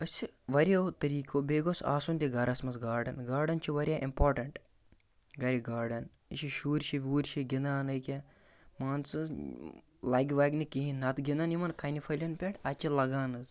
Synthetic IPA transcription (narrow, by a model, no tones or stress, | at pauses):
ɐsʲt͡ʃʰiʋɐɾʲjɐt̪ɐɾiːkʲoːbeːɡosa̰ːsunt̪ʲiɡɐɾɐsmɐsɡaːɾɖɐnɡaːɾɖɐnt͡ʃʰiʋɐɾʲjaːʔimpoːɾʈɐɳʈ | ɡɐɾʲiɡaːɾɖɐn | ḭʃiʃuːɾʲʃiʋʲuːɾʲt͡ʃʰiɡʲind̪aːnɐjkʲa | maːnt͡sɨ | lɐɡʲiʋaːɡnikiɦinɐt̪ɡʲind̪ɐnimɐnkʰɐjnʲifʰɐlʲɐnpʲeʈɐt͡ʃʰilɐɡaːnɨz